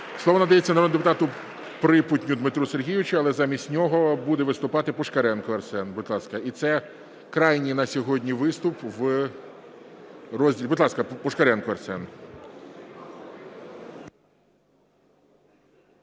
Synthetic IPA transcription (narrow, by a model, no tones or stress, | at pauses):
slˠɔʋɔnɐd̪ɐjet͡sʲːɐnɐɾɔd̪nɪd̪epʊt̪ɑt̪ʊ | pɾɪpʊtʲnʲʊd̪mɪt̪ɾuserɦʲijʊʋɪt͡ʃʊɐlˠɛzɑmʲisʲtʲnʲɔɦɔbud̪ɛʋɪst̪ʊpɑt̪ɪpɔʃkɐɾɛnkʊɐrsɛnbʊd̪lˠɑskɐit̪sɛ | kɾɑjnʲinɐsʲɔɦɔdʲnʲiʋɪst̪ʊpʋ | rɔzʲdʲilʲbʊd̪lˠɑskɐpɔʃkɐɾɛnkʊɐrsɛn